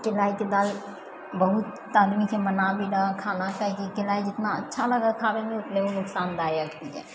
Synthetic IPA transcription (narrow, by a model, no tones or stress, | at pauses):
kɪlaiked̪al | bəɦut̪ː | ad̪mikemənabiɾakʰanakaɦikikɪlaːid͡ʒɪt̪naətːʃʰaləɡakʰabemẽʊt̪neonʊksaːnd̪aeəkt̪iɦɛ̰ː